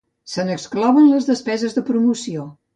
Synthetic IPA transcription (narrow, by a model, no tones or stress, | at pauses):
sənəksklɔβənləzðəspɛzəzðəpɾumusio